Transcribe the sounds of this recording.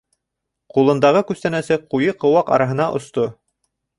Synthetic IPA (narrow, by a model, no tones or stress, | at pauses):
qulˠɤ̆nd̪ɑʁɤkʉst̪ænæsɘqujɤqɤ̆wɑqɑ̰ɾɑɦɤ̆nɑʔŏ̰st̪o